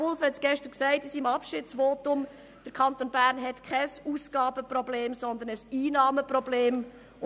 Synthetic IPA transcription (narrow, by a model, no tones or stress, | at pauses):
ʊlfhɛtsɡ̥ɛʃtəɾksɛɪtɪsimɑpʃɪtsʋoːtʊm | d̥əɾkʰɑnt̪onbæːɾnɦɛtkʰɛsusɡ̥ɑːbəprɔbleːmsɔnd̪ənəsiːnɑːməprɔbleːm